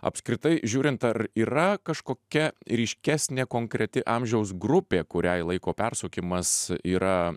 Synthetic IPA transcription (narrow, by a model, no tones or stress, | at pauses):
ɐ̰pskɾʲɪt̪ɐɪʒʲuːɾʲɪnt̪ɐriːɾɐkɐʃkoːkʲɛɾʲiːʃʲkʲæːsʲnʲeːkoːŋkɾʲɛt̪ʲɪʔɑmʲʒʲɛʊs̬ɡɾʊpʲeːkʊɾʲæɪlˠɐɪkoːpʲɛrsoːkʲɪmɐsiːɾɐ